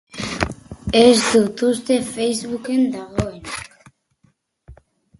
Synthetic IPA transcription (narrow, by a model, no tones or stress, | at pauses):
ezd̪ut̪ust̪efejzβukend̪aɣoen